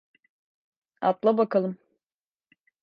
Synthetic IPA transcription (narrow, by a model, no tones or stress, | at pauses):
a̰t̪lˠabakalˠɯm